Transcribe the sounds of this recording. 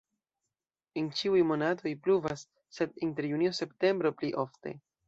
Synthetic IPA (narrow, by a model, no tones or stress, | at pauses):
ent͡ʃiujmo̞natʰo̞jpluvasː | e̞dinte̞ɾjuniose̞pte̞mbɾo̞pliʔo̞fte̞̰